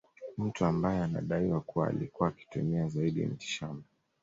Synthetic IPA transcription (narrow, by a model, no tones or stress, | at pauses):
m̩tuambajɛana̰ɗaiwakuwa̰ːlikuwaːki̥tumɛazaiɗḭm̩ti̥ʃamba